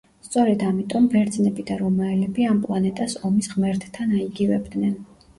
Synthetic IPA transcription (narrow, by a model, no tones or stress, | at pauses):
st̪sʼɔɾɛd̪amit̪ʼɔmbɛɾd̪znɛbid̪aɾɔmaɛlɛbiampʼlˠanɛt̪ʼasɔmisʁmɛɾt̪ʰt̪ʰːanaiɡivɛbd̪nɛn